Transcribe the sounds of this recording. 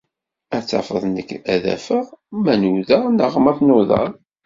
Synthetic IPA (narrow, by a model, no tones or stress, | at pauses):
æt͡sːɑ̰fəðˤnəkːæðæ̰fəʁmænuðænəʁmæθnoðˤɑ̰ɾˤ